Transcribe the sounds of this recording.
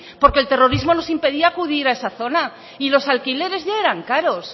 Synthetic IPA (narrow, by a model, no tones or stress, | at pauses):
po̞ɾkelt̪e̞ro̞ɾizmo̞no̞simpe̞ðiaːkuðiɾae̞saθo̞na | ilo̞salkile̞ɾe̞zʝaeɾaŋkaɾo̞s